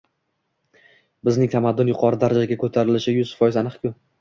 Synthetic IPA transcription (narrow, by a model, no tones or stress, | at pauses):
bɪznɪŋt̪ʰamad̪ːʊnjʊqʰɒɾɪd̪aɾad͡ʒaɡʲakʰɵt̪ʰaɾɪlɪʃɪjʊzfɒjɪzanɨqkʰʲʊ